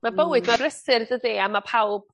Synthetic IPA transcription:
mabəwɨdmarrəsɨrðəðiamapʰawb̥̚

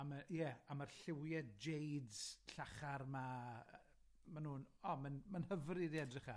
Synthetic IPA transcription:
amajɛamarɬɪwjɛdd͡ʒejdz̥ɬaχarma | manuːnɔmanmanhəvriðiɛdrɪχa

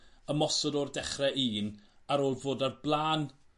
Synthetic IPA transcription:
əmɔsɔdɔrdɛχrɛʔiːnaɾoːlˠvoːdarblˠaːn

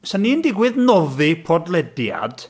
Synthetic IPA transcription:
sanːiːndɪɡwɪðnɔðipʰɔdlɛdja̰d̥

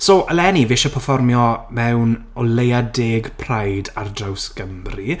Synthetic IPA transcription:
soʔəlɛniveːʃapʰəfɔrmjɔmɛwn | ɔlejadeːɡpʰrajdardrawskəmri

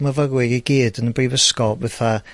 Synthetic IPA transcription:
məvəɡwɪɡiɡiːdənəbriːvəskɔvɛθa

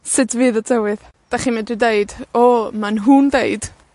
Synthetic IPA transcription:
sɪtʰvɨːðɔdɛwɨð | d̥aχimɛdrɨdeɨdɔmanɦundeɨd̥

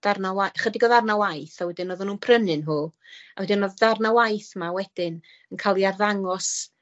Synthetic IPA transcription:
d̥arnawajχədiɡɔðarnawajθawɛdɪnɔːðanuːnpʰrənɨnɦuːawɛdɪnɔððarnawajθmawɛd̥ɪn | ənkʰalˠiarðaŋɔs

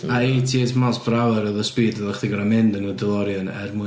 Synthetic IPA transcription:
aitʰitʰmasbrawɛɾəðəspiːdəlˠəχdiɡɔɾamɪndənudɪlˠɔɾjɔnɛ̰rmʊ

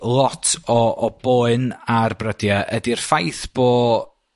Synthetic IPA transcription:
lˠɔtʰɔːb̥oːɨnarbrədjaʔədirfajθb̥oː

